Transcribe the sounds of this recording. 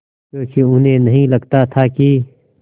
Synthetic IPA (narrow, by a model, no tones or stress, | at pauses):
kjõːkiʊnɦẽnɐɦĩlɐɡt̪at̪ʰaki